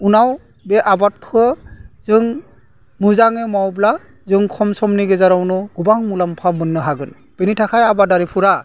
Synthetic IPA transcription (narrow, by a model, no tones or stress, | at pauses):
unaw | bɛʔabat̚pʰɯzɯŋ | muzaŋemawbla | zɯŋkʰɔmsɔmniɡɛzaɾawnɔɡubaŋmulampʰamɯnːɯɦaɡɯn | b̥ɯnitʰakʰajabadaɾipʰuɾa